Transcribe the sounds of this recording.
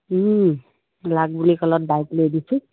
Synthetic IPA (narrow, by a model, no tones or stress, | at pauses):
ɦ | laɡ̚bulikʌlɔt̪̚bajkled̪it͡sʰu